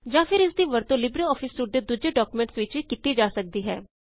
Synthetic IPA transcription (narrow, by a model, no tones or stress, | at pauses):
d͡ʒaːfɪɾɪsd̪iːʋəɾt̪õːlɪbɾəɔːfʰɪsːuːʈ̚d̪eːd̪uːd͡ʒeːɖɔːkumɛ̃ɳʈsʋɪt͡ʃikit̪iːd͡ʒaːsək̚d̪iːɦɛ̰ː